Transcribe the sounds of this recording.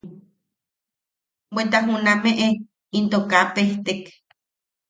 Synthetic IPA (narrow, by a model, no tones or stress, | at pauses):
went̪aɦunameʔe | int̪okapeht̪ek